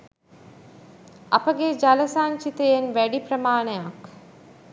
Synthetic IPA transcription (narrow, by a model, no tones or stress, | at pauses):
ɐpəɡed͡ʒaləsaːɲt͡ʃit̪əjenʋæɖipɾəmaːnəjak